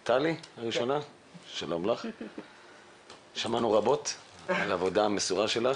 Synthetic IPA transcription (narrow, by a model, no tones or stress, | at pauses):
t̪alihaʁiʃo̞na | ʃalo̞mlaχ | ʃamanuʁabo̞t | alavo̞daamesuʁaʃe̞la